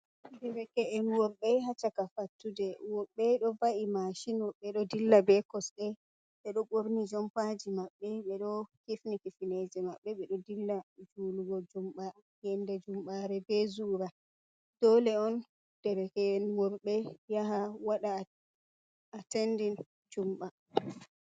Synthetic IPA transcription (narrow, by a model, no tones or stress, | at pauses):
dɛɾɛkɛɛnwɔɾɓɛɦat͡ʃakafatːudɛwɔɓɛɗɔvaʔimaʃinɔɓɛɗɔdilːabɛkɔsɗɛ | ɓɛɗɔɓoɾnid͡ʒɔmpad͡ʒimaɓːɛɓɛɗɔkifnikifined͡ʒɛmaɓːɛɓɛɗɔdilːad͡ʒuluɡɔd͡ʒumɓa | jɛndɛd͡ʒumɓaɾɛbɛzuːɾa | d̥ɔlɛɔn | d̥ɛɾɛkɛnwɔɾɓɛjaɦawaɗa | atendin | d͡ʒumɓa